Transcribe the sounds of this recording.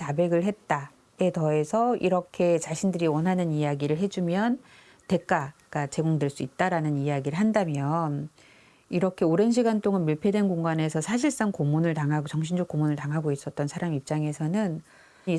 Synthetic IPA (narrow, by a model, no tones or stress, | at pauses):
tabe̞ɡɯɭɦe̞t̚t͈a | e̞tʌe̞sʰʌiɾʌkʰe̞t͡ɕaɕʰindɯɾiwʌnɦanɯnijaɡiɾɯɭɦe̞d͡ʑumjʌn | te̞k͈aɡ͈at͡ɕe̞ɡoŋdɯɭs͈uit̚t͈aɾanɯnijaɡiɾɯɭɦandamjʌn | iɾʌkʰe̞oɾe̞nɕ̬ʰiɡant͈oŋɯnmiɭpʰjedwenɡoŋɡanesʰʌsʰaɕʰiɭs͈aŋkomunɯɭtaŋaɡot͡ɕʌŋɕʰind͡ʑokomunɯɭtaŋɦaɡois͈ʌt̚t͈ʌnsʰaɾamiip̚t͡ɕ͈aŋe̞sʰʌnɯn | i